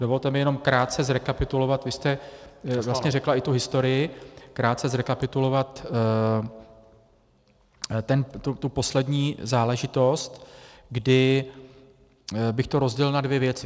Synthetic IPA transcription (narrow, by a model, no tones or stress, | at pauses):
dovo̞lt̪ɛmɪjɛno̞mkɾaːt̪̚t͡sɛzɾɛkapɪt̪ulo̞vat̪vɪst̪ɛvlast̪ɲɛrɛklaʔɪt̪uɦɪst̪o̞ɾɪjɪkɾaːt̪̚t͡sɛzɾɛkapɪt̪ulo̞vat̪ | t̪ɛnt̪ut̪upo̞slɛdɲiːzaːlɛʒɪt̪o̞st̪ɡdɪ | bɪxt̪o̞ɾo̞zɟɛlnadvjɛvjɛt͡sɪ